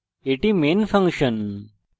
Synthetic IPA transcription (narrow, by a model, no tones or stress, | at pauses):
eʈimeːnfɐ̃ŋkʃən